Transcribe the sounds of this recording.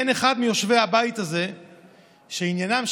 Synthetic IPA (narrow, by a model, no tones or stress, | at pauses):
eneχad̪mijo̞ʃvehabait̪aze̞ | ʃeinjanam